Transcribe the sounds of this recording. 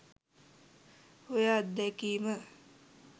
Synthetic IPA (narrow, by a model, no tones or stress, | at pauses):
ojat̪d̪ɛkiːmə